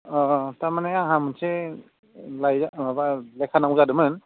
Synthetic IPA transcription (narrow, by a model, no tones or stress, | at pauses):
ɔtaɾmaneaŋɦamɯnse | lajzaabalekʰanaŋuzadɯmɯn